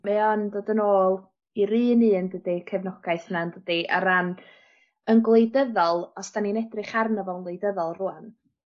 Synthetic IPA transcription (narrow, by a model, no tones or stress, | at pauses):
mɛɔndoːdənoːlˠ | iɾiːnɨːndədikʰɛvnɔɡ̥ajθnandədiʔa̰ɾan | ənɡlˠejdəðɔlˠɔsd̥aninɛdrɪχarnəvɔlˠənlˠejdəðɔlˠruan